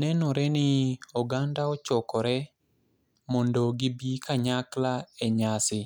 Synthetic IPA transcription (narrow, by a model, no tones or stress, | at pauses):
nɛnɔɾɛnɪɔɡandaɔt͡ʃɔkɔɾɛ | mɔndoɡɪbikʰaɲaklaeɲasɪ